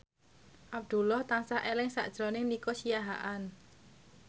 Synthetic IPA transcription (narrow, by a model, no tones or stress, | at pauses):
ʔab̚d̪̥ṳlɔht̪aŋsahʔelɪŋsa̰ʔd̥ʒ̥ɾonɪŋnikosijaɦa̰ʔan